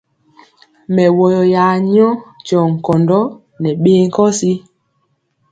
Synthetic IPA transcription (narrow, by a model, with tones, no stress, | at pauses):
mɛ˨wɔ˨jɔ˨jaː˨ɲɔ˦t͡ʃɔ˨ŋ̩˨kɔ˨ndɔ˦ | nɛ˨ɓeː˦ŋ̩˦kɔ˦si˦